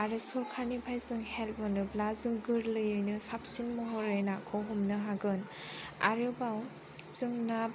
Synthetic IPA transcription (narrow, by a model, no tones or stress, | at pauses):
aɾɯsɔɾkʰaɾnibʰajzɯŋhelbɔnɯblazɯŋɡɯɾlɯjɯjnɯsap̚sinmɔɦɔɾɯjnakʰɔɦumnɯɦaɡɯn | a̰ɾɯbaw | z̥ɯŋna